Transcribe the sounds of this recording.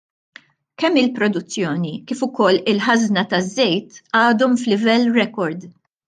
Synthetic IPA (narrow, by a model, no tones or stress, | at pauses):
kɛmːɪlpɾɔd̪ʊt͡sːjɔːnikiːfʊkɔlːɪlħɐznɐt̪ɐzːɛjt̪ɐːd̪ɔmflɪvɛlːɾɛkɔɾd̪